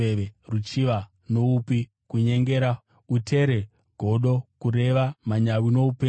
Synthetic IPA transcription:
eʋerut͡ʃiʋa | no̞upi | kuɲe̞ŋɡe̞ɾa | utʰe̞ɾe̞ | ɡʱo̞ɗo̞kuɾe̞ʋamaɲawino̞upeː

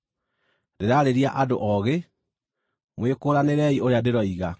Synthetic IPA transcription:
deɾaɾeɾiaʔadoʔɔɣe | mwekoɾaneɾɛioɾeadeɾɔiɣa

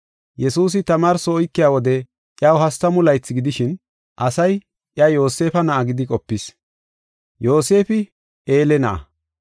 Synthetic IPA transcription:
jɛsuːs̬ɪt̪ɐmaːɾsɔːjkːɪjaːwɔd̪ɛ | ʔjawɦɐst̪ːɐmʊlɐjt͡sːɪɡɪd̪ɪʃɪn | ʔɐsɐj | ʔjɐjo̞ːse̞ːfɐnɐʔɐɡɪd̪ɪkʼɔpːɪs | jo̞ːse̞ːfɪ | ʔeːlɛnɐʔɐ̰

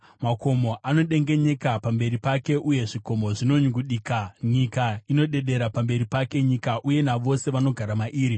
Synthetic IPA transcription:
mako̞mo̞ʔano̞ɗe̞ŋɡe̞ɲe̞kapambe̞ɾipake̞ʔuje̞ʐiko̞mo̞ʐino̞ɲɡuɗiːkaɲikaino̞ɗe̞ɗe̞ɾapambe̞ɾipake̞ɲikaʔuje̞naʋo̞se̞ʋano̞ɡʱaɾamaʔiːɾi

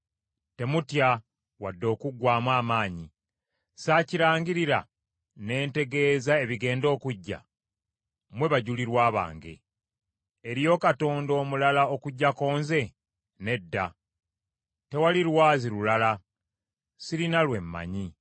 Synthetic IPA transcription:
te̞mutja | wadːo̞ːkuɡwaːmwaːmaːɲi | saːciɾaːŋɡiɾiɾa̰ | ne̞ːnte̞ɡe̞ːzae̞βiɡe̞ːndo̞ːkuɟːa̰ | mwe̞βaɟuliɾwaːβa̰ːŋɡḛ | eɾjo̞ːkato̞ːndo̞ːmulalao̞kuɟːako̞ːnze̞ | ne̞dːa | te̞walilwaːzilulala | siɾinalwe̞mːa̰ɲi

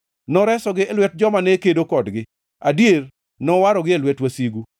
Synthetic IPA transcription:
nɔɾɛsɔɡɪɛlwɛt̚d͡ʒɔmanekedokɔdɡɪ | adjer | nɔwaɾɔɡɪelwɛtwasiɡu

